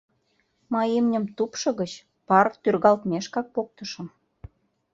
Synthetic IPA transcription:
mɑjimnʲə̆mt̪upʃɤ̆ɣə̆t͡ɕ | pɑrt̪yrɣɑlt̪mʲeʃkɑk̚pok̚t̪ə̆ʃə̆m

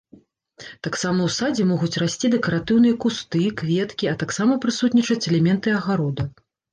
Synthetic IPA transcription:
t̪aksamɐwsad͡zʲɛmɔɣut͡sʲrasʲt͡sʲid̪ɛkɐɾat̪ɨwnɨjɐkust̪ɨkvʲɛt̪kʲiɐt̪aksamɐpɾɨsut̪ʲnʲit͡ʂɐt͡sʲɛlʲɛmʲɛnt̪ɨɐɣaɾɔd̪ɐ

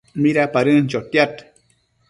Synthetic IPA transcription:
miɾapaɾɨnt͡ʃot̪jat̪

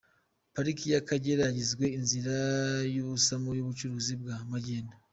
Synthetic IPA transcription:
paɾikijakaɟeɾaɟizɡwe̞inziɾajuβusamojuβut͡ʃuɾuːzibɡaːmaɟeːna

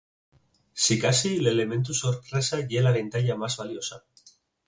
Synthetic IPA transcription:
sikasile̞le̞mẽ̞nt̪̬usoɾtɾesaʝelaβ̞e̞nt̪aʎamazβaljo̞sa̰

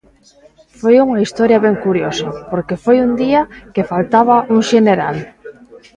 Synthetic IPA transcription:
fojuŋɐist̪ɔɾjɐβeŋkuɾjosapoɾkefojund̪iɐkefalt̪aβaʔuŋʃeneɾal

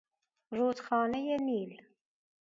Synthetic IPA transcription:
ruːt̪xɑːnɛjɛniːl

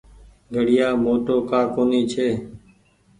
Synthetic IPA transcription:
ɡʱəɽɪjaːmoːʈoːkaːkoːniːt͡ʃʰeː

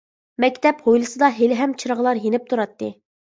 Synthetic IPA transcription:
mɛkʲt̪ɛphojlˠɨsɨd̪ɑɦelɪɦɛmt͡ʃʰiɾəʁəlˠɑɾjenɪp̚t̪ʰuɾɑt̪ːɨ

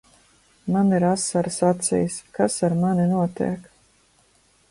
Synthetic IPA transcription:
maniɾasːaɾsat̪sʲḭjskasaɾmaninuɔt̪ḭɛk

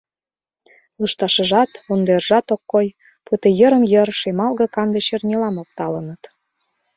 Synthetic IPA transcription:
lɤʃt̪ɑʃə̆ʒɑt̪ond̪erʒɑt̪okːoj | put̪ejəɾə̆mjəɾʃemɑlɣɤ̆kɑnd̪eɕernʲelɑmok̚t̪ɑlənət̪

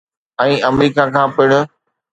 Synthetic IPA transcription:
ɛ̃ːʔɐmɾiːkakʰãːpɪɽ̃ʊ̆

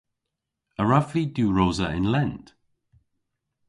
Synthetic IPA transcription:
əɹavliduːɹoːzəɪ̰̃nlɛnd̥

